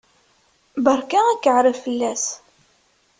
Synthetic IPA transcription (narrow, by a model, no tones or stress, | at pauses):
bəɾˤkæækːəʕɾəvfəlːæs